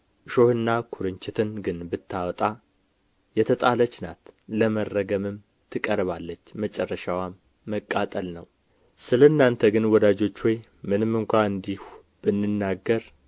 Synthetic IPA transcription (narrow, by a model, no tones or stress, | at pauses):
ɨʃo̞hɨnːakʰuɾɨɲt͡ʃɪt̪ʰɨnɡɨnbɨt̪ʰːawt̪ʼa | jɛt̪ʰət̪ʼalət͡ʃːna̰t̪ləmərːəɡəmɨm | t̪ʰɨkʼəɾβalːət͡ʃːmət͡ʃʼɛrːəʃawamː | əkʼːat̪ʼəlnəw | sɨlənːant̪ʰəɡɨnwɔd̪ad͡ʒo̞t͡ʃːwɔj | mɨnɨmːɨŋkʷaɨnd̪ihu | b̥ɨnːɨnːaɡːəɾ